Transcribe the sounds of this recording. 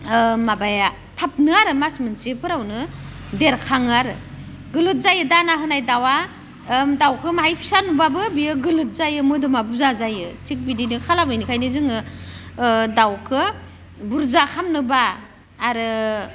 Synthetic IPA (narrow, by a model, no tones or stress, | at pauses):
mabaja | tʰap̚nɯaɾɯmasmɯnsepʰɯɾawnɯdeɾkʰaŋaɾɯ | ɡɯlɯt̚zajɯdanaɦɯnajdawa | dawkʰɯmaɦajpʰi̥sanubabɯbijɯɡɯlɯt̚zajɯmɯdɯmabuzazajɯtʰik̚bidinɯkʰalabɯjnikʰajnɯzɯŋɯ | dawkʰɯ | buɾzakʰamnɯbaː | ɾɯ